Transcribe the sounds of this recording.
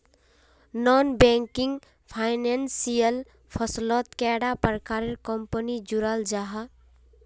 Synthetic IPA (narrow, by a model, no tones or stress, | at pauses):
nɔnbɛŋkiŋɡ | pʰaɪnensijəl | pʰəslɔt̪kɛɽapəɾkaɾeɾkɔmpənid͡ʒuɾald͡ʒaɦa